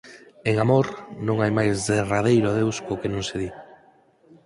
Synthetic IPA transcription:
eŋamoɾnõŋajmajzðerað̞ejɾʊaðewskokenõŋseði

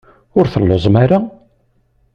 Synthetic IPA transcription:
ʊɾθəlːozˤmaɾa

